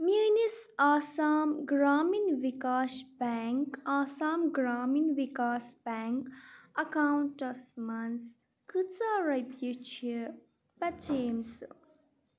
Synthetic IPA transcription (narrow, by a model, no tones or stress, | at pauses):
minisaːsaːmɡɾaːminʋikaːʃbaŋkaːsaːmɡɾaːminʋikaːsbɛːŋkɐkaːwuɳʈɐsmɐns | kɨt͡saɾɐbjit͡ʃʰi | pɐt͡ʃeːmsɨ̰